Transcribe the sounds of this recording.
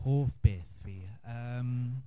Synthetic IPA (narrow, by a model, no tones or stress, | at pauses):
hoːfb̥eθiəm